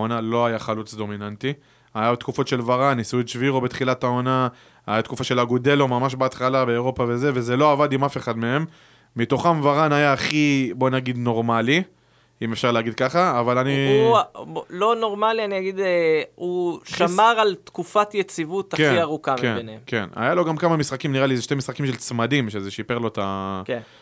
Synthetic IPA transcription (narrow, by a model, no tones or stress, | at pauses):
onalo̞ajaχalut͡sd̪o̞minant̪i | ajabet̪kufo̞t̪ʃe̞lvaʁanːisuitʃviʁobet̪χilatao̞na | ajat̪kufaʃe̞laɡude̞lomamaʃ̬beat̪χalabe̞ːʁo̞pave̞ze̞ve̞ze̞lo̞avadimafe̞χad̪me̞e̞mː | ito̞χamvaʁanajaːχibo̞naɡid̪no̞ʁmali | ime̞fʃaʁleaɡid̪̚kaχaːvalani | blo̞noʁmalianiaɡid̪euʃamaʁalt̪kufat̪jet͡sivut̪aeiaʁukamkebenemke̞̰na̰jalo̞ɡamkamamisχakimniʁalizeʃte̞misχakimʃelt͡smadimʃezeʃipe̞ʁlo̞t̪ake